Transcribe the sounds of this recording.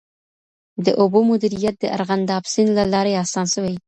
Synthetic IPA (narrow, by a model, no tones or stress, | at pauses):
d̪əʔʊbomʊd̪iɾijat̪̚d̪əʔa̰ɾɣand̪ɑbsɪnlalɑɾeɑsɑnsəwej